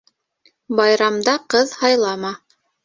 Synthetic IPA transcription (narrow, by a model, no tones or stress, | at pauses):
bɑjɾɑmd̪ɑqɤðhɑjlˠɑmɑ